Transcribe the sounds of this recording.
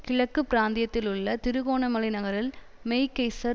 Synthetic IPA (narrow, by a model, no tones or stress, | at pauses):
kɪɻɐkːɯpːɪɾaːnd̪ɪjɐt̪ːɪlɯɭːɐt̪ɪɾɯɣoːɳɐmɐlɪnɐɣɐɾɪl | mɛɪkːɐɪsɐ